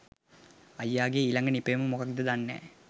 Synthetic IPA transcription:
ɐjːaːɡeːilɐŋɡənipejməmokak̚d̪əd̪anːɛ̰ː

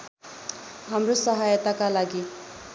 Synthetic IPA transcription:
ɦamrosʌɦajʌt̪akalaɡi

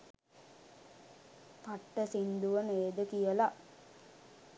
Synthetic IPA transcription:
paʈːəsind̪uʋəneːd̪əkijəla

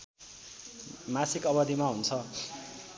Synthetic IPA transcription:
masikʌbʌd̪imaɦunt͡sʰʌ

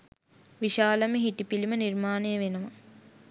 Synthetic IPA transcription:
ʋiʃaːlɐmeɦiʈipilimənirmaːnejəʋenəʋa

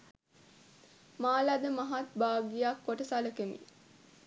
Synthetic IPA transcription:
maːlæd̪əmaɦat̪̚baːɡijakːoʈəsaləkemḭ

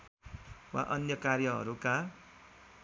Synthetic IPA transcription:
wa̰ʔʌnjʌkarjʌɦʌ̰ɾuka

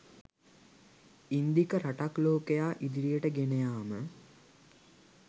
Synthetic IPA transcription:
ind̪ikəɾaʈakloːkejaːʔid̪iɾijəʈəɡenejaːmə

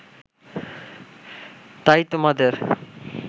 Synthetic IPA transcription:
t̪ajt̪omad̪eɾ

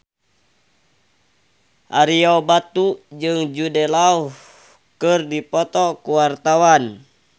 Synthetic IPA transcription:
ʔaɾiɔbat̪ud͡ʒɨŋd͡ʒudɛlauh | kɨrdipɔt̪ɔkuwart̪awan

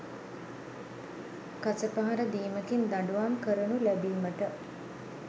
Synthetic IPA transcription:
kasəpaɦaɾəd̪iːməkind̪aɳɖuʋamkəɾənulæbiːməʈə

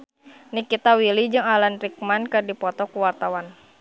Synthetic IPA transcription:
nikit̪awilid͡ʒɨŋalanrik̚mankɨdipɔt̪ɔkuwart̪awan

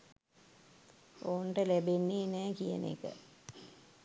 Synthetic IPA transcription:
oːɳɖəlebenːinɛːkijə̰nḛːkə̰

